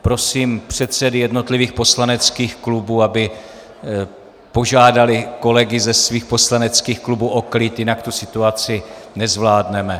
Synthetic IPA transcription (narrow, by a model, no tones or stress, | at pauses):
pɾo̞siːmpr̝̥ɛt̪sɛdɪjɛdno̞t̪lɪviːxpo̞slanɛt͡skiːxklubuːabɪ | po̞ʒaːdalɪko̞lɛɡɪzɛsviːxpo̞slanɛt͡skiːxklubuʔo̞klɪt̪jɪnakt̪usɪt̪uat͡sɪnɛzvlaːdnɛmɛ